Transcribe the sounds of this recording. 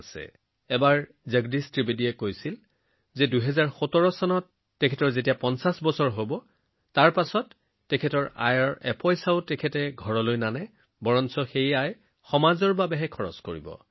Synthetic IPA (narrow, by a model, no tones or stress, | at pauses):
sɛ̰ | ɛbaɹ | zaɡdistɹibidiɛkojsil | zɛduɦɛzaɹxɔtɔɹɔsɔnɔtː | ɛkʰɛtɔɹzet̬ijapɔnsasbɔsɔɹɦobɔ | taɹpasɔtː | ɛkʰɛtɔɹa̰jɔɹɛ̰pɔjsaʊtɛkʰɛtɛɡʱɔɹɔlojnanɛ | bɔɹɔnsɔxejaj | xɔmazɔɹbabɛɦɛkʰɔɹɔ̰skoɹḭbɔ̰